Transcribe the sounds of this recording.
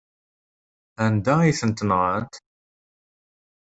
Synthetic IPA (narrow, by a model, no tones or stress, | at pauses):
ænd̪æiθənt̪nʁənt̪